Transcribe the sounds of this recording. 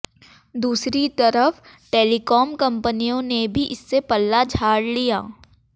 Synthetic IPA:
d̪uːsɾit̪ɐɾəfʈeːlikɔːmkɐ̃mpənijõnebʱiʔɪsːepɐlːad͡ʒʱaːɽlijaː

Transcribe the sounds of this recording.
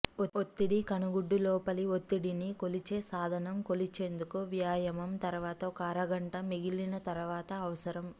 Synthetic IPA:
oot̪ːiɽikɐnuɡuɖːulɔːpɐliot̪ːiɽiniko̞lit͡ʃeːsaːd̪ʱɐnɐmko̞lit͡ʃe̞ːnd̪ukuʋjaːjɐmɐmt̪ɐɾuʋaːt̪ɐkaːɾɐɡɐɳʈɐmiɡilːinɐt̪ɐɾuʋaːt̪ɐːʋɐsɐɾɐm

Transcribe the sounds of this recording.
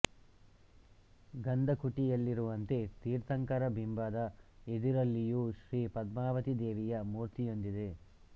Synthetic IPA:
ɡɐnd̪ʱɐkuʈijɐlːiɾuʋɐnt̪e̞t̪iːɾt̪ʰɐŋkɐɾɐbʱimbaːd̪ɐed̪iɾɐlːijuʃɾiːpɐd̪maːʋɐt̪id̪eːʋijɐmuːɾt̪ijo̞nd̪id̪e

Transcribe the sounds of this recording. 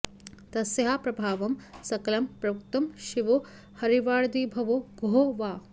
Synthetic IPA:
t̪ɐsjɐɦapɾɐbʱaːʋɐmsɐkɐlɐmpɾɐʋuk̚t̪ɐmʃiʋo | hɐɾiʋaːɽd̪iːbʱɐʋoɡoɦoʋaː

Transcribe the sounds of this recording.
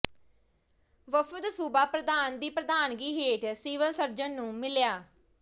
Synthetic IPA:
ʋəfəd̪suːbaːpɾəd̪aːnd̪iːpɾəd̪aːnɡiːɦeːʈsiːʋəlsəɾd͡ʒənːũːmɪljaː

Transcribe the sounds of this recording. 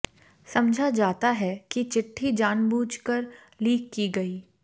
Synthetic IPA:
sɐmd͡ʒʱad͡ʒaːt̪aɦɛkit͡ʃɪʈʰːid͡ʒaːnbuːd͡ʒkəɾ | liːkːiɡɐiː

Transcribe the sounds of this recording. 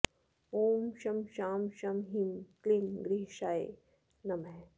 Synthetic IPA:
oːmʃɐmʃaːmʃɐmɦimklinɡɾiɦʃaːj | nɐmɐ

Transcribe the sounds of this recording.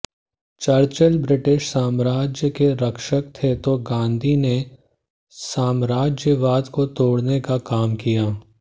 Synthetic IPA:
t͡ʃɐɾt͡ʃəlbɾɪʈɪʃsaːmɾaːd͡ʒjəkeɾɐkʃək̚t̪ʰet̪oɡãːnd̪ʱine | saːmɾaːd͡ʒjəʋaːd̪kot̪oːɽnekakaːmkijaː

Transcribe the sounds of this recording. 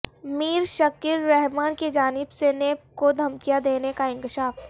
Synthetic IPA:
miːɾʃɐkɪɾːɛɦmaːnked͡ʒaːnɪbsenekod̪ʱɐmkijad̪eːnekaɪ̃ŋkɪʃaːf

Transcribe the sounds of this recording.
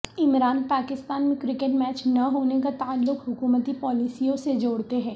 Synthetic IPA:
ɪmɾaːnpaːkɪst̪aːnmẽkɾɪkeʈmɛːt͡ʃnɐɦoːnekat̪aːlːʊkɦʊkuːmət̪ipɔːlɪsijõsed͡ʒoːɽt̪eɦɛ̃ː

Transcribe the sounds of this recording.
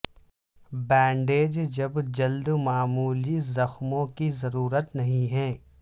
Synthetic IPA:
bɛ̃ːɳɖeːd͡ʒd͡ʒɐbd͡ʒɐld̪maːmuːlizɐxmõkizɐɾuːɾət̪nɐɦĩɦɛ̃ː

